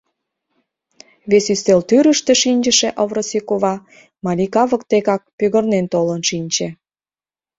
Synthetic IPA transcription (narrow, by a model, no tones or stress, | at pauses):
βesyst̪elt̪yɾəʃt̪ĕʃinʲd͡ʒə̆ʃeʔovɾosikoβɑ | mɑlikɑβə̆k̚t̪ekɑk̚pyɣə̆rnent̪olənʃinʲt͡ɕĕ